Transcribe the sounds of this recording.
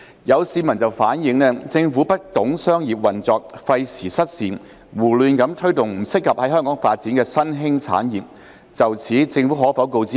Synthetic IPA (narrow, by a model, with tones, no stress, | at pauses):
jɐ˨˧wsiː˨˧mɐ˨˩nt͡sɐ˨wfaː˨˥njɪ˨˧ŋnɛː˥t͡sɪ˧ŋfuː˨˥pɐ˥k̚t̪ʊ˨˥ŋsœː˥ŋjiː˨p̚wɐ˨˩nt͡sɔː˨k̚fɐ˧jsʰiː˨˩sɐ˥t̚siː˨n | wuː˨˩lyː˧nkɐ˨˥mt̪ʰɵ˥ɥt̪ʊ˨ŋm̩˨˩sɪ˥kʰːɐ˨p̚hɐ˨˥jɦœː˥ŋkɔː˨˥ŋfaː˧t̚t͡siː˨˥nkɛː˧sɐ˥nɦɪ˥ŋt͡sʰa̰ː˨˥njiː˨˩p̚ | t͡sɐ˨wt͡sʰiː˨˥t͡sɪ˧ŋfu˨˥ɦɔː˨˥fɐ˨˥wko˧wt͡siː˥